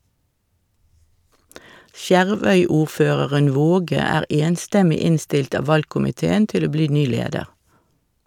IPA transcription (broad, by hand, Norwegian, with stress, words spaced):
ˈsjæʁˌʋœʏˌuːʁˌføːʁəʁən ˈʋoːɡə ˈæːʁ ˈeːnstɛmɪ ˈɪnstɪlt ˈɑː ˈʋɑlkʊmɪˌteːən ˈtɪl ˈoː ˈbliː ˈnyː ˈleːdəʁ